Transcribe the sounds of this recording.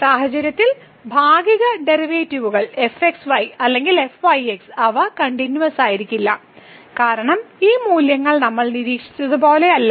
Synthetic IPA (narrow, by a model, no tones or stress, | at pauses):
saːɦɐd͡ʑɐɾjɐt̪ːil | bʱaːɡiɣɐɖe̞riʋeːtːiʋuɣɐɭe̞fe̞ksʋɐjɐlːe̞ŋɡile̞fʋɐjeksɐʋɐkɐɳɖinjuʋɐsaːjiɾikʲːilːɐ | kaːɾɐɳɐmiːmuːljɐŋːɐɭnɐmːɐɭniɾiːkʂi̥t͡ɕːɐðubo̞ːle̞ɐlː